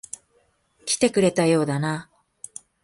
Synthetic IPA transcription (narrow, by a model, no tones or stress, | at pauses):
kʲi̥t̪e̞kɯ̟ɾe̞t̪ajo̞ːd̪ana